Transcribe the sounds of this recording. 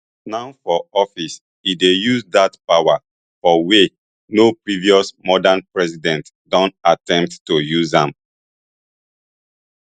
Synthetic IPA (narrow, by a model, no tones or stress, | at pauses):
naʊfɔɔfis | idejuzdatpawa | fɔwe | nopɹiviɔsmɔdanpɹɛsidɛ̃nt | dɔ̃ntatɛ̃mp̚tːujuzãm